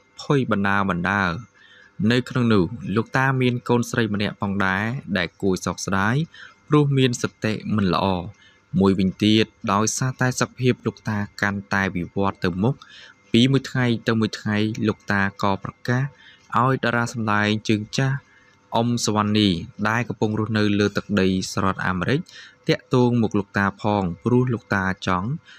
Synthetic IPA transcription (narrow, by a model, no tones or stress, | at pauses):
pʰujɓɑnɗaəɓɑnɗaə | nɨwkʰnoŋnʊːhloːk̚t̪aːmiənkoːnsrəjmənɛ̆əʔpʰɑːŋɗaɛɗaɛlkuəjsɑːk̚sɗaːjprʊ̆əhmiənsɑt̪eʔmɨnlə̆ʔɑː | muəjʋɨɲt̪iət̪̚ɗaɔjsaːt̪aɛsok̚pʰiəp̚loːk̚t̪aːkant̪aɛʋiʋŏət̪ːɨwmʊk̚piːmuəjt̪ʰŋajt̪ɨwmuəjt̪ʰŋajloːk̚t̪aːkɑːprɑkaːhʔaɔjɗaːɾaːsɑmlaɛŋt͡ɕəːŋt͡ɕah | ʔomsʋanːiːɗaɛlkɑmpuŋrʊ̆əhnɨwləːt̪ɨk̚ɗəjsaːɾɔ̆ət̪̚ʔa̰ːmeːɾɨc̚t̪ɛ̆əʔt̪ɔːŋmuk̚lok̚t̪aːpʰɑːŋprʊ̆əhloːk̚t̪aːt͡ɕɑŋ